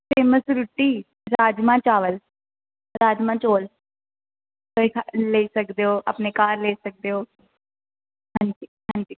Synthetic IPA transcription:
pʰeːməsɾuʈːiː | ɾaːd͡ʒmãːt͡ʃaːʋəl | ɾaːd͡ʒmãːt͡ʃoːl | əikʰleːsəkd̪eːoːʔa̰pneːkaːɾleːsək̚d̪eːoː | ɦãːɲd͡ʒiːɦãːɲd͡ʒiː

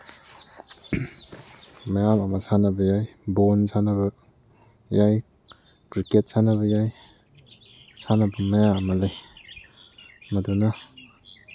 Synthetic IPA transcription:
majamɐmasanɐbɐjajbonsanabɐ | jaj | kɾiket̚sanɐbɐjaj | sanɐbɐmajamalaj | maduna

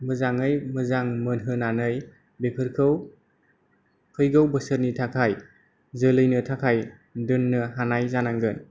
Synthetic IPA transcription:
mɯzaŋɯjmɯzaŋmɯnɦɯnanɯj | bekʰɯɾkʰɯw | kʰɯjɡɯwbəsəɾnitʰakʰaj | zɯlɯjnɯtʰakʰaj | dɯnːɯɦanajzanaŋɡɯn

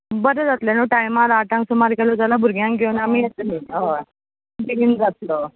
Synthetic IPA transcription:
bəɾed͡zat̪lenoʈajmaɾaʈãŋksumaɾkalot̪alabʱuɾɡʱjãŋkɡʱeunamiet̪niɦə | biind͡zat̪̚lo

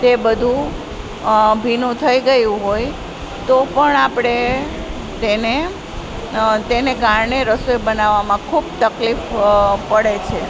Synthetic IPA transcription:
t̪ebəd̪ʱũ | bʱinũt̪ʰəiɡəjũɦoj | t̪opəɳapɽ̃e | t̪ene | t̪enekaɾɳeɾəsoebənaʋːamãkʰubt̪əklifpəɽet͡ʃʰe

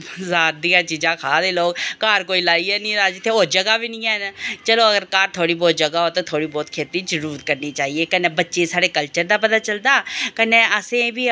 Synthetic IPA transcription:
zaːd̪ijãːt͡ʃiːd͡ʒãːkʰaːd̪eːloːkkaːɾkoːiːlaːiːɛːnĩːɾaːd͡ʒɪt̪ʰːeːoːd͡ʒəɡaːbiːnĩːɛːnt͡ʃəloːəɡəɾkaːɾt̪ʰoːɽiːbɔːt̪̚d͡ʒəɡaːɦoːt̪õːt̪ʰoːɽiːbɔːt̪kʰeːt̪iːd͡ʒəɾuːɾəɾkəɾniːt͡ʃaːɦiːeːkəneːbətːʃeːsaːɽeːkəlt͡ʃəɾd̪aːp̬ət̪aːt͡ʃəld̪aːkəneːəsẽːbiː

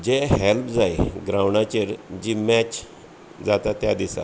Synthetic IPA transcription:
d͡ʑeɦelpd͡zaiɡɾawɳat͡ɕeɾd͡ʑiːmɛt͡ɕ | d͡zat̪at̪jad̪isa̰

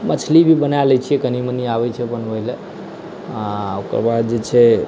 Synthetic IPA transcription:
mət͡ʃʰlibʱibənalɛt͡ʃʰiɛkənimeniaβɛt͡ʃʰɛbənbəjle | aokɾbad̪̚d͡ʒet͡ʃʰɛ

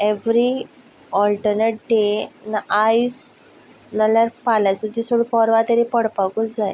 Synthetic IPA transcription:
eʋɾi | ɔlʈəɾneʈ̚ɖenajs | nəlaɾpalat͡sət̪isoɽəpɔɾʋat̪eɾipəɽpakut͡sd͡zaj

